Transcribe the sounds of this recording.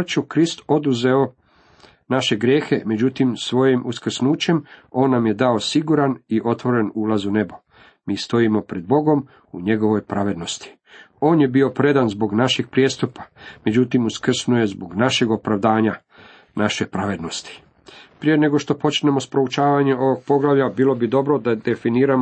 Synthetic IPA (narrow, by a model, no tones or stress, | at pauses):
t͡ʃukɾist̪o̞d̪uze̞o̞ | naʃe̞ɡɾje̞ːxe̞me̞d͡ʑut̪imsʋo̞jimʔuskr̩snuːt͡ɕe̞mo̞ːnːamje̞d̪ao̞siɡuɾaniʔo̞t̪ʋo̞ɾe̞nuːlazune̞bo | miːst̪o̞imo̞pɾe̞d̪̚bo̞ɡo̞m | uɲe̞ɡo̞ʋo̞jpɾaʋe̞d̪no̞st̪i̥ | o̞ːnje̞bio̞pɾe̞d̪anzbo̞ɡnaʃiɡ̚pɾjest̪upḁme̞d͡ʑut̪imuskr̩snuje̞zbo̞ɡnaʃe̞ɡo̞pɾaʋd̪aːɲa | naʃe̞pɾaʋe̞d̪no̞st̪i̥ | pɾijene̞ɡo̞ʃt̪o̞po̞t͡ʃne̞mo̞spɾout͡ʃaːʋaɲe̞o̞ʋoɡ̚po̞ɡlaʋʎʲabiːlˠo̞bid̪o̞bɾo̞d̪ad̪e̞finiːɾam